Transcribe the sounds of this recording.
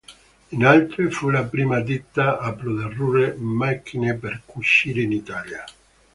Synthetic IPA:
inalt̪ɾefulapɾiːmad̪it̪ːaaplod̪arːuːɾemak̟ːineperkuʃːiːɾeinit̪aːlja

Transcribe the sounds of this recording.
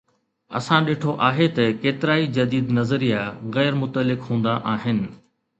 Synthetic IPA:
ɐ̰sãɗeːʈʰoʔaːɦet̪ɐkeːt̪ɪɾaːid͡ʑɐd̪iːd̪nɐzəɾijaɣɛːɾmʊt̪əlːɪkɦũːn̆d̪aʔaːɦɪnɪ̆

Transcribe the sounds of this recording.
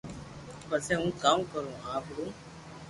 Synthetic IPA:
pəseːɦũːkaːmkəɾũːɦãːkəɽũː

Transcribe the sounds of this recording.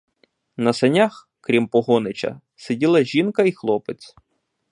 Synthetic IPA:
nɐsɐnʲax | kɾʲimpɔɦɔnɪt͡ʃɐ̰ | sedʲilˠɐʒʲinkɐixlˠɔpet͡sʲ

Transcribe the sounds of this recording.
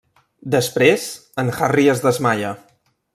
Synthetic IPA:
d̪əspɾezənxariəzðəzmaʎə

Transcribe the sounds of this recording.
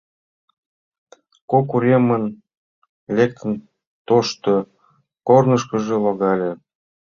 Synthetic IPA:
kokuɾʲemən | lʲek̚t̪ə̆n | t̪oʃt̪o | kornɤ̆ʃkə̆ʒĕloɣɑlʲĕ

